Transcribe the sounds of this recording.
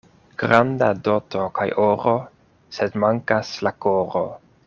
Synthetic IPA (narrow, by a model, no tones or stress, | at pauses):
ɡ̥ɾandado̞tokʰajʔoɾo | sedmaŋkaslakoɾo̰